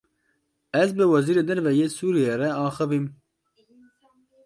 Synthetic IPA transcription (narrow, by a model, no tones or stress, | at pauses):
ɛzbɨwɛziːɾeːd̪ɛɾvɛjeːsuːɾijeːɾɛɑːxɨvim